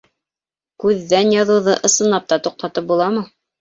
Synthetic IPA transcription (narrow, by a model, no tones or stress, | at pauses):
kʉðːænjɑðɤ̆wðɤʔɤ̆sɤ̆nɑp̚t̪ɑt̪uq̚t̪ɑt̪ɤp̚bulˠɑmɤ